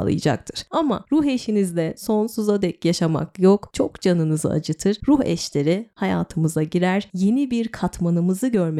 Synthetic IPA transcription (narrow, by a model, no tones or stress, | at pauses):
lˠɯ̰jɯ̰d͡ʒa̰k̚t̪ʰɯɾ̥ama̰ɾuɦe̞ʃinizlʲɛso̞nsuzad̪ɛcjaʃama̰kjokt͡ʃʰo̞kd͡ʒanɯnɯzɯ̰a̰d͡ʒɯt̪ʰɯɾ̥ɾuhɛ̰ʃlʲe̞ɾihaja̰ːt̪ʰɯmɯzaɟiɾæɾje̞nibiɾkʰat̪manɯmɯzɯɟø̞ɾm